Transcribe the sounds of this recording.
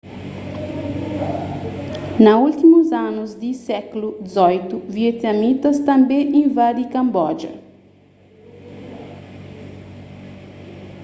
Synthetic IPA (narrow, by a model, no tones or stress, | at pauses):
nɐult̪imuzanuzd̪isɛklud̪izɔjt̪uviet̪namit̪ɐst̪ɐ̃mbẽʔẽvad̪ikɐ̃mbɔd͡ʒɐ̰